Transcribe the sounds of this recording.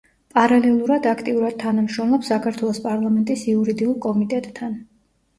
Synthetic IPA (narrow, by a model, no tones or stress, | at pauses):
pʼaɾalɛlˠuɾad̪akʰt̪ʼiuɾad̪̚t̪ʰːanamʃɾɔmlˠɔpsakʰaɾt̪ʰwɛlˠɔspʼaɾlˠamɛnt̪ʼisiuɾid̪iulˠkʼɔmit̪ʼɛt̪ʼːʰan